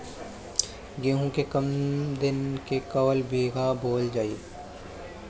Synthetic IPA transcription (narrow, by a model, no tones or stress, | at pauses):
ɡẽːɦũkekɐmd̪ɪnkekɐwəlbeːɡaboːld͡ʒaːi